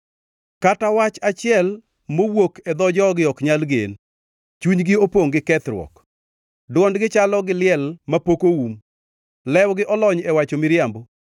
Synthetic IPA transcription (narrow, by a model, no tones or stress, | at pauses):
katawat͡ʃat͡ʃɪɛl | mowokʰɛd̪ɔd͡ʒɔɡɪɔkɲalɡḛn | t͡ʃuɲɡɪopoŋɡɪkɛt̪ɾwɔ̰k | dwɔndɡɪt͡ʃalɔɡɪlɪɛlmapokoum | lɛwɡɪʔɔlɔɲɛwat͡ʃomɪɾɪjambo